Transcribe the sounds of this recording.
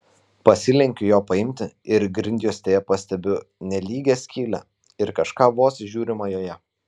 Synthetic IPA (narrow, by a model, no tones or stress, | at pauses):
pɐsʲɪlʲɛŋʲkʲʊjoːpɐɪmʲt̪ʲɪɪɾɡɾʲɪnʲd̪ʲjoːsʲt̪ʲeːjɛpɐsʲt̪ʲɛbʲʊnʲɛlʲiːɡʲeːsʲkʲiːlʲɛ̰ | ɪɾkɐʃkɑːʋoːsʲʒʲuːɾʲɪmɑjoːjɛ